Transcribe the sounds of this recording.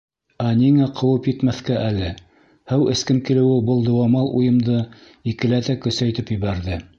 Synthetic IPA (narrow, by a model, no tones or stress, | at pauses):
æniŋæqʰɤ̆wɤpjɘ̆t̪mæθkæʔælɘ | hæwɘ̆skɘŋkilɘ̆wɘbɤlˠd̪ŏwɑmɑlˠʔujɤ̆md̪ɤ | ikɘ̆læt̪ækɵ̆sæjt̪ɘpjɘ̆βæɾðɘ